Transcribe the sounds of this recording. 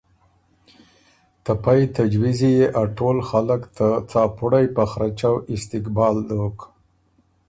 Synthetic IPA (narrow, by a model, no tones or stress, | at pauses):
t̪apajt̪ad͡ʒwizijeʔaʈolxaləkt̪at͡sɑpuɽajpaxɾat͡ʃawɪst̪ɪkbɑld̪ok